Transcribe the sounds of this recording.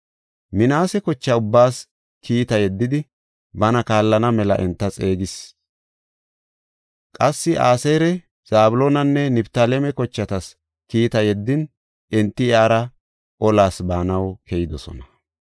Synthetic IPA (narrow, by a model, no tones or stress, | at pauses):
mɪnaːsɛkɔt͡ʃːɐʊbːaːs | kʰiːt̪ɐjɛd̪ːɪd̪ɪ | bɐnɐkaːlːɐnɐmɛlɐ̰ʔɛnt̪ːɐt͡sʼe̞ːɡɪs | kʼɐsːɪʔa̰ːseːɾɛ | z̥aːbʊloːnɐnːɛnɪbt̪alɛmɛkɔt͡ʃːɐt̪ɐs | kiːt̪ɐjɛd̪ːɪn | ɛnt̪ːɪɪaːɾɐ | ʔɔlaːsbaːnɐwkʰɛjɪd̪ɔsɔ̰nɐ̥